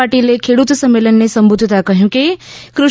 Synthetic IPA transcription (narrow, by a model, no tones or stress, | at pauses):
aʈilekʰeɽut̪səmːelənːesəmbud̪ʱt̪akəɦjũkekɾʊ